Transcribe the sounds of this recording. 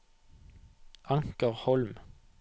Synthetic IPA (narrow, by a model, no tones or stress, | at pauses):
ʔɑŋkəʁhɔlm